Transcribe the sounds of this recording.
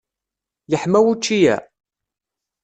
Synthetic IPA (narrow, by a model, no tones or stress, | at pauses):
jəħmæwut͡ʃːijæ̰